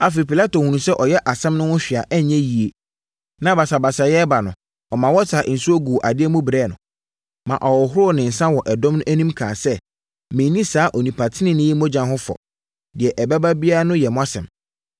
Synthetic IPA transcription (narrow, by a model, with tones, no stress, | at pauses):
a˨fe˨ɾi˨pi˨la˦to˨hũ˨nũ˨sɛ˦ʔɔ˨jɛ˦ʔa˨sɛ̃˦mnʊ̃˦wʊ̃˦ɕᶣi˨a˨ʔɛ˦˨ɲɛ̃˦ji˨e˨ | nã˨˦ba˨sa˨ba˨sa˨jɛ˦ba˨nʊ̰̃˨ | ɔ˨mã˨wɔ˦sʰa˨ʔn̩˨su˦o˦ɡu˨ʔa˨dɪ˦ɛ˦mũ˦bɾɛː˦˨nʊ̃˨ | mã˨ʔɔ˨wɔ˨ɦʊ˦ɾʊ˦˨nɪ̃˨n̩˨sã˦wɔ˨ʔɛ˨dɔ̃˦mnʊ̃˦ʔæ˦nĩ˦mkʰãː˨sɛ˦ | mɪ̃˨˦nĩ˦saː˨˦ʔɔ˨nĩ˨pʰa˨tʰɪ˦nɪ̃˦nɪ̃˦i˦mɔ̃˦d͡ʑã˨nɦʊ̃˦fɔ̰˨ | dɪ˨ɛ˨ʔɛ˨bɛ˦ba˦bi˦a˦ɾa˦nʊ̃˦jɛ˨mʊ̃˦a˦sɛ̰̃˨m